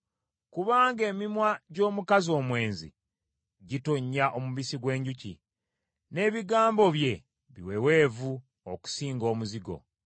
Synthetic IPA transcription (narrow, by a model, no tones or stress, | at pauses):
kuβaːŋɡe̞ːmimwaɟo̞ːmukazio̞ːmwe̞ːnzḭ | ɟitoɲːaʔo̞muβisiɡwe̞ːɲɟucḭ | ne̞ːβiɡaːmbo̞βje̞ | βḭwe̞we̞ːvu | oku̥siːŋɡo̞ːmuziɡo̞̰